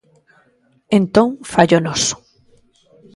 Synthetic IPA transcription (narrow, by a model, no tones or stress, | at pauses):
ẽnt̪õŋfaʎonɔsʊ̥